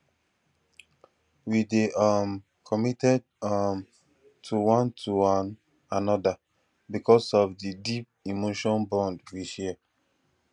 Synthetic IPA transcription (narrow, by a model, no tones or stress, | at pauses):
wideʔam | kʰɔmitɛd̚ | am | tʰuwɔ̃ntʰuan | anɔda | bikɔsɔvdidip̚imoʃɔ̃nbɔ̃ndwiʃɛ